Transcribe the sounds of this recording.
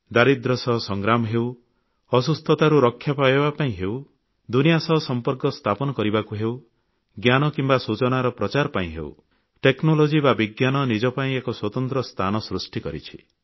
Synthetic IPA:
d̪aɾid̪ɾɔsɔɦɔsɔŋɡɾamɔɦew | ɔsust̪ʰɔt̪aɾuɾɔkʰːjapaebapaĩɦeuw | d̪unijasɔɦɔsɔmpɔɾkɔst̪ʰapɔnɔkɔɾibakuɦew | ɡjanɔkimbasut͡ʃɔnaɾɔpɾɔt͡ʃaɾɔpaĩɦḛw̰ | ʈeknolod͡ʒibabiɡjanɔnid͡ʒɔpaĩekɔswɔt̪ɔnt̪ɾɔst̪ʰanɔsɾusʈikɔɾḭt͡ʃʰi̥

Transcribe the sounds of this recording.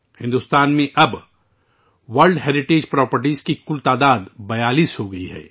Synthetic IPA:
hɪ̃nd̪ʊst̪aːnmẽʔɐb | ʋɐɾlɖɦɛːɾɪʈeːd͡ʒpɾɔːpəɾʈizkikʊlt̪aːd̪aːd̪bɐjaːliːsɦoɡɐiɦɛ̰ː

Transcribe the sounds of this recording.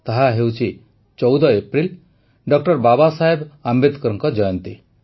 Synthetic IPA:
t̪aɦaɦewt͡ʃʰi | t͡ʃɔwd̪ɔepɾil | ɖɔk̚ʈʌɾbabasaɦebambed̪kɔɾɔŋkɔd͡ʒɔjɔnt̪i

